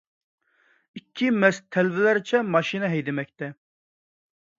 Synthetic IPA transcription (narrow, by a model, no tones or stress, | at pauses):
ikʲʰːimɛst̪ʰːɛlvɪlæɾɪt͡ʃʰɛmɑʃinɨɦɛjd̪ɪmɛk̚ʲt̪ɛ